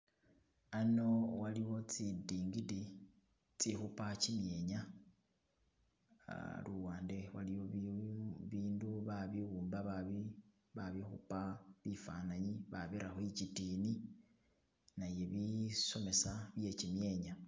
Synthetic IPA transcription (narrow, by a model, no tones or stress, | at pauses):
ano̞waliwo̞t͡sidiːŋɡidi | t͡sixupacimje̞ːɲa | luwaːnde̞waliwo | βiːnduβaβiwuːmbaβaβi | βaβixṵpaβifanaɲiβaβiɾaxwit͡ʃitiːni | naje̞βiso̞me̞saβje̞t͡ʃimje̞ɲa